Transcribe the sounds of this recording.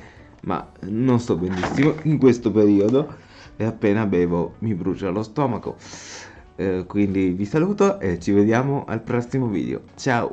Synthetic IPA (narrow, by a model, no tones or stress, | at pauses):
ma̰nonsɔbenːisːimoiŋkwest̪opeɾiːod̪o | eapːeːnabɛːvomibɾut͡ʃalost̪ɔːmako̰ | kwind̪ivisaluːt̪oʔet͡ʃːived̪jaːmoʔa̰lpɾɔsːimovḭːd̪ḛo̰t͡ʃao̰